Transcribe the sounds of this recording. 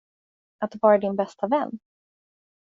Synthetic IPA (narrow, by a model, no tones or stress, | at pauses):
at̪̚d̪vɑːɾad̪ɪnbɛst̪avɛnː